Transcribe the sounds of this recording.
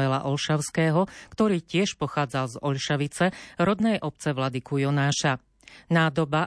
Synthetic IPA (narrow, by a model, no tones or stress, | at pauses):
ɛla̰ʔɔlʃaʊskɛːɦɔkt̪ɔɾiːcɪɛʃpɔxaːd͡zalzɔʎʃaʋit͡sɛɾɔd̪nɛjʔɔp̚t͡sɛʋlad̪ikujɔnaːʃa | naːd̪ɔba